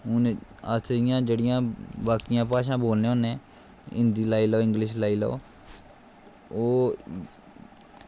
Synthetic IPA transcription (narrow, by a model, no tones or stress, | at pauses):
ʊnət̪ʰɾɪjãːd͡ʒeːɽɪjãːbaːkɪjãːpaːʃ̬ãːboːlnẽːɦoːnẽː | ɪ̰nd̪iːlaːiːloːɪ̃ŋɡlɪʃ̬laːiːlo̰o̰ː | oː